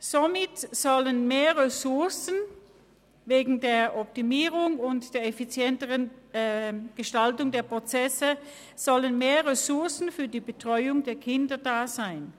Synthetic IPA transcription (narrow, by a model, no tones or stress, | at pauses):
z̥omɪtz̥ɔlənmeːɐʁesʊɐsən̩ | veːɡŋ̩deːɐʔɔp̚timiːʁʊŋʊntd̥eːɐɛfit͡sjɛntəʁən | ɡ̥əʃtaltʊŋdeːɐpʁ̥ot͡sɛsə | z̥ɔlənmeːɐʁesʊɐsn̩fyːɐdiːbətʁ̥ɔʏʊŋdeːɐkʰɪndɐdaːzaɪn